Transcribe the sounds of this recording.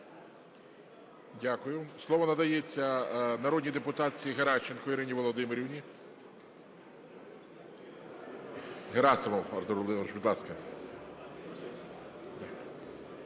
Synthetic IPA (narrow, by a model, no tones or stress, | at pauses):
dʲakʊjʊslˠɔʋɔnɐd̪ɐjet͡sʲːɐnɐɾɔd̪ʲnʲid̪epʊt̪ɑt͡sʲijiɦeɾɑt͡ʃːenkɔiɾɪnʲiʋɔlˠɔd̪ɪmeɾʲiwnʲi | ɦeɾɑsɐmɔwɐɾd̪ɔɾɔlˠɪɾʃbʲid̪lˠɑskɐ | d̪